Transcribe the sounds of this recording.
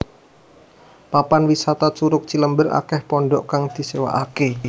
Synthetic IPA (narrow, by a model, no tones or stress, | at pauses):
papanwisat̪at͡ʃuɾʊk̚t͡ʃiləmbəra̰kɛhpɔɳɖɔʔkaŋd̪̥i̤sewa̰ʔake